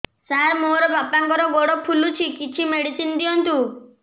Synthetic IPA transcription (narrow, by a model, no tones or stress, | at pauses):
saɾmoɾɔbapaŋkɔɾɔɡoɽɔpʰulut͡ʃʰikit͡ʃʰimeɽisind̪ijɔnt̪u